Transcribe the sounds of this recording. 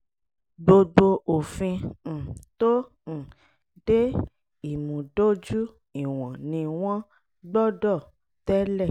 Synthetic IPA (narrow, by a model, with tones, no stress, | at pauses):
ɡ͡bo˧ɡ͡bo˧ʔo˨fĩ˧˨ | tõ˦˨ | de˦ | i˦˨mũ˨do˦d͡ʒu˦ | i˦˨w̃ɔ̃˨nĩ˧w̃ɔ̃˦ | ɡ͡bɔ˦dɔ˦˨ | tɛ˦lɛ˦˨